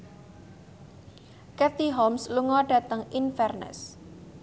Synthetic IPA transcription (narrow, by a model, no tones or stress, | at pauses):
kɛt̪iɦɔmsluŋɔɖ̥ä̤t̪əŋinfɛrnə̰s